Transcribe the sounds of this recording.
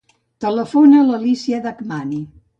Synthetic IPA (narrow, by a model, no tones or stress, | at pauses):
t̪ələfonələlisieðakmani